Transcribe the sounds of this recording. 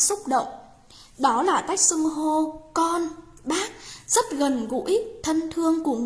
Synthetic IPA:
sʊ˦˥k͡p̚ɗə̰˧˨wŋ͡m | ɗɔ˨˦laː˨˩k̪a˦˥jk̚sɨ˧ŋɦo˧kɔ˧n | ɓaː˦˥k̚z̥ə˦˥t̚ɣə˨˩nɣṵ˧˥ʔi˦˥k̚t̪ʰə˧nt̪ʰɨ˧əŋku˧˩əŋ

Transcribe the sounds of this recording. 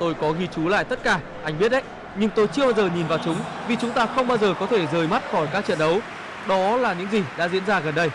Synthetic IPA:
t̪o˧jkɔ˨˦ɣi˧t͡ɕu˨˦la̰ː˧˨jt̪ə˦˥t̚kaː˧˩ | ʔa˧jŋ̟ɓi˦˥ət̚ʔə˦j | ɲɨ˧ŋt̪o˧jt͡ɕɨ˧əɓaː˧wzəː˨˩ɲi˨˩nvaː˨˩wt͡ɕʊ˨˦ŋ͡mvi˨˩t͡ɕʊ˨˦ŋ͡mt̪aː˧xə˧wŋ͡mɓaː˧wzəː˨˩kɔ˨˦t̪ʰe˧˩zəː˨˩˦jma˦˥t̚xɔ˧˩jkaː˦˥k̚t͡ɕə̰˧˨nɗə˨˦w | ɗɔ˨˦laː˨˩ɲɨ̰˧˥ŋzi˨˩ɗa̰ː˧˥zḭ˧˥ənzaː˧ɣə˨˩nɗə˧j

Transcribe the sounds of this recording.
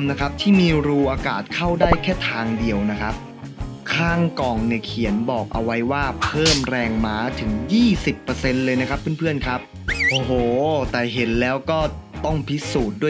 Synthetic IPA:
mna˦˥kʰa˦˥p̚t̪ʰiː˥˩miː˧ɾuː˧ʔaː˧kaː˨˩t̪̚kʰa˥˩wdaː˥˩jkʰɛː˥˩t̪ʰaː˧ŋdi˧əwna˦˥kʰa˦˥p̚ | kʰaː˥˩ŋkɔː˨˩ŋni˨˩kʰi˩˦ənbɔː˨˩k̚ʔa˧wa˦˥jwaː˥˩pʰɤː˥˩mɾɛː˧ŋmaː˦˥t̪ʰɯ˩˦ŋjiː˥˩si˨˩pːɤː˧se˧nlɤː˧jna˦˥kʰa˦˥pʰːɯ˥˩˨npʰɯ˥˩ənkʰa˦˥p̚ | ʔoː˧˩ɦoː˨˩t̪ɛː˨˩ɦe˩˦nlɛː˦˥wkɔː˥˩t̪ɔ˥˩ŋpʰi˦˥suː˨˩t̪̚du˥˩ə

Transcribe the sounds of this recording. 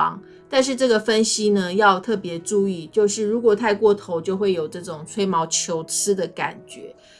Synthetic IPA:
ɑ̰˧˦ŋ | t̪a˥˧nʂ̬ɻ̩˥˧ʈ͡ʂɤ˥˩ɡə˩fə˦˥nɕi˥nə˧jɑ˥˧ʊt̪ʰɤ˥˩pjɛ˧˥ʈ͡ʂu˥˧i˥˩t͡ɕjo˥˧ʊʂɻ̩˥˩ɻu˧˥kwɔ˨˩t̪ʰa˥˧ɪkwɔ˥˩t̪ʰo˧˦ʊt͡ɕjo˥˧ʊxwe˥˩ɪjo˨˩ʊʈ͡ʂɤ˥˩ʈ͡ʂʊ˨˩ŋt͡sʰwe˥ɪmɑ˧˥ʊt͡ɕʰjo˧˥ʊt͡sʰɹ̩˥d̪ə˨ka̰˨˩nt͡ɕɥɛ̰˧˦

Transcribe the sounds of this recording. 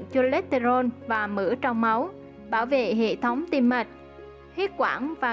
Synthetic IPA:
ŋt͡ɕo˧le˦˥t̚t̪e˧zo˧nvaː˨˩mɨ̰˧˥ət͡ɕɔ˧wŋ͡mmə˨˦w | ɓaː˧˩wvḛ˧˨ɦḛ˧˨t̪ʰə˨˦wŋ͡mt̪i˧mma˨˩jk̚ | hwi˦˥t̚kwa̰ː˧˩nvaː˨˩

